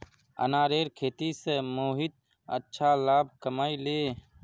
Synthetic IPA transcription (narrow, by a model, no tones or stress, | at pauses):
ə̰naːɾeːɾkʰeːt̪iːsemoːɦit̪̚ | ətːʃʰaːlaːb̚kəmaːileː